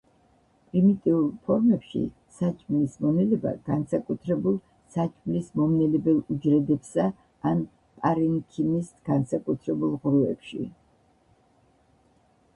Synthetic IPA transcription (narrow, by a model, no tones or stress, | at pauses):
pʼɾimit̪ʼiulˠpʰɔɾmɛpʃḭ | sat͡ʃʼmlismɔnɛlɛba̰ɡ̥ansakʼut̪ʰɾɛbulˠ | sat͡ʃʼmlismɔmnɛlɛbɛlˠud͡ʒɾɛd̪ɛpsaː | n | pʼaɾɛŋkʰinisɡ̥ansakʼut̪ʰɾɛbulˠʁɾuɛpʃḭ